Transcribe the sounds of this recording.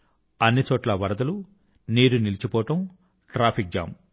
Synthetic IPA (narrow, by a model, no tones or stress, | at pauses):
ɐnːit͡ʃɔːʈlɐʋɐɾɐd̪ɐlu | niːɾunilit͡ʃipɔːʈɐm | ʈɾaːpʰik̚d͡ʒa̰ːm